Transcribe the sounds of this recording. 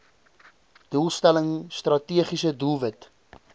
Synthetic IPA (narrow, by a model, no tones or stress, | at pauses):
d̥ulˠstæləŋst̪rɐtiəχisədulˠvət